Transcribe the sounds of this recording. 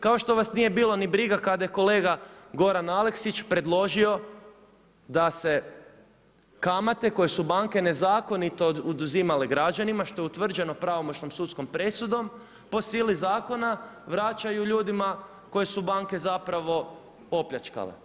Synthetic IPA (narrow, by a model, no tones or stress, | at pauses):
kao̞ʃt̪o̞ʋasnije̞biːlˠonibɾiɡakad̪ajeko̞le̞ːɡaɡo̞ɾanale̞ksit͡ʃpɾe̞d̪lˠo̞ʒio̞ | d̪ase̞ | kamat̪e̞ko̞je̞subaŋke̞ne̞zaːko̞nit̪o̞ud̪uzimaleɡɾad͡ʒanimaʃt̪o̞jeut̪ʋr̩d͡ʒe̞no̞pɾaʋo̞mot͡ʃno̞msut̪sko̞mpɾe̞sud̪o̞m | po̞siːlizaːko̞naʋɾat͡ʃajuʎuːd̪ima | ko̞jesubaŋke̞zapɾaʋo̞ | o̞pʎʲat͡ʃka̰lḛ